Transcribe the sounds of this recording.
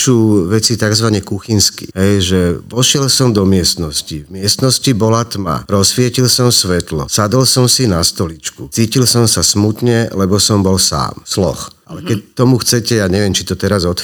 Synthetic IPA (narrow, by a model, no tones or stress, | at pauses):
suːʋɛt͡sit̪aɡzʋaɲɛkuxinskḭɦɛjʒɛʋɔʃɪɛlsɔmd̪ɔmɪɛst̪nɔscivmɪɛst̪nɔscibɔlat̪ma̰ɾɔsfɪɛcilsɔmsʋɛt̪lɔ̰sad̪ɔlsɔmsinast̪ɔlit͡ʃkut͡siːcilsɔmsasmut̪ɲɛlɛbɔsɔmbɔlsa̰ːmslɔ̰xʔa̰lɛkɛc̚t̪ɔmuxt͡sɛcɛjaɲɛʋɛmt͡ʃit̪ɔt̪ɛɾazɔt̪